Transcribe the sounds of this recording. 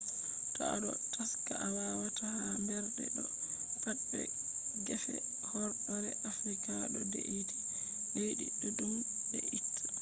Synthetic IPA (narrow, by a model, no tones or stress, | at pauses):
tɔ̰a̰ɗɔ̰ | tʰaskaʔawawatahambɛɾdɛ̰ɗɔ | kaɗːɛ̰ | ɡɛfɛ̰ | hɔɾɗɔɾɛʔafɾikaɗɔdeʔiti̥ | lejɗḭɗɔɗum | bɛ̰ʔitʰːu̥